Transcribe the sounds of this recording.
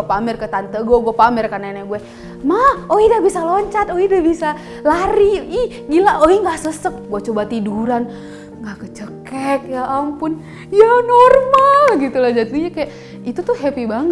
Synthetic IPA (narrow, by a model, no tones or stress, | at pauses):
pamɛrkət̪ant̪əɡɔɡuapamɛrkananaɡuɛ | mahoidabisalɔɲt͡ʃat̪oidabisa | laɾii | ɡilaoiŋɡasəsək̚ɡuat͡ʃobat̪iduɾan | ŋɡakət͡ʃəkɛk̚jaampʊn | janɔrmalɡit̪ulad͡ʒat̪̚diɲakajaʔ | it̪ut̪uhɦɛpibaŋə